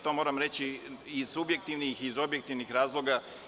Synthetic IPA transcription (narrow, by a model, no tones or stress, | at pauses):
t̪o̞moɾamɾet͡ɕiiz̥subje̞k̚t̪iʋnixizo̞bjek̚t̪iʋnixɾaːzlˠo̞ɡa